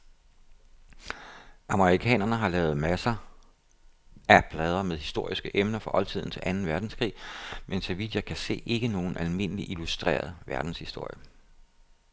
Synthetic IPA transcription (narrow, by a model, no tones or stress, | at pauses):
ʔɑ̈məʁikʰɛ̰ːnɐnəɦɑ̈lɛːʊð̩ˠmæsɐ | æpʰlɛːð̞ˠɐmeðˠhisd̥o̝ɐ̰isɡ̥əʔemnɐfʁɑʔɒ̽lt͡sʰið̞̰ˠn̩t͡sʰe̝lʔænn̩ʋæɐd̥n̩skʰʁḭːmensɒʋid̥jɑ̈ɪkʰæse̝̰ːe̝ɡ̥əno̝ːn̩ʔælme̝nəliʔilusd̥ʁḛːɐð̞ˠʋæɐd̥n̩shisd̥o̝ɐ̰jə